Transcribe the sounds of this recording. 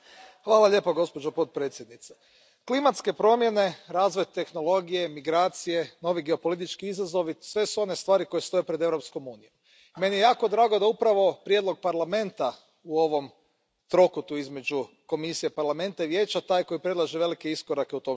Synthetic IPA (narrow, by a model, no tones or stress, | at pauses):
xʋaːlˠaʎe̞ːpoɡo̞spo̞d͡ʒopo̞t̪̚pɾe̞ːt̪sʲje̞d̪nit̪se | klimat̪ske̞pɾo̞mje̞ne̞ɾaːzʋo̞jt̪e̞xno̞lˠo̞ɡije̞miɡɾaːt̪sije̞no̞ʋiɡeo̞po̞lit̪̬it͡ʃkiizazo̞ʋisʋe̞suo̞ne̞st̪ʋaːɾiko̞jest̪o̞jepɾed̪e̞ʋɾo̞psko̞muːnijo̞m | me̞nijejaːko̞d̪ɾaːɡod̪aupɾaʋo̞pɾje̞d̪lˠo̞ɡ̚paɾlˠame̞nt̪a | uo̞ʋo̞m | t̪ɾo̞kut̪uizme̞d͡ʒu | ko̞misijepaɾlˠame̞nt̪aiʋje̞ːt͡ʃat̪aːjko̞jipɾedlˠaʒeʋe̞like̞iskoɾakeut̪o̞m